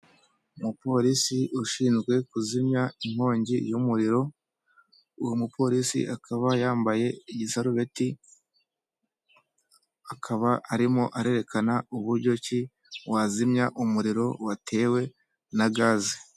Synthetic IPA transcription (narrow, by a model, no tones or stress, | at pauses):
mupo̞ɾisiʔuʃiːnzɡwe̞kuzimɲaim̥ho̞ːɲɟijumuɾiɾo̞ | ujumupʰo̞ɾisḭʔakʰaβajaːmbaje̞iɟisaɾuβe̞ti | akʰaβaʔaɾimo̞ʔaɾe̞ɾe̞kʰanauβuɾɟo̞ci | wazimɲaʔumuɾiɾo̞watʰe̞ːwe̞ | naɡaːzi